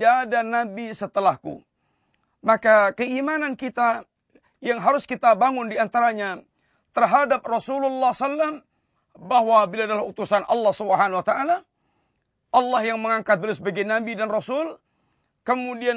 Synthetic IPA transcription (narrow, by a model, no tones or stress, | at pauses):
aːdanabisət̪əlahkṵ | makakəimanankit̪a | jaŋɦaɾʊskit̪abaŋʊndiant̪aɾaɲa | t̪ərɦadap̚rɔsululːɑhsalːam | bahwabilaːdalahut̪usanʔɑ̰lːɑhsubəɦanwat̪aʔala | ʔɑlːahjaŋməŋaŋkat̪̚bəlusbaɡinabidanrɔsʊl | kəmudia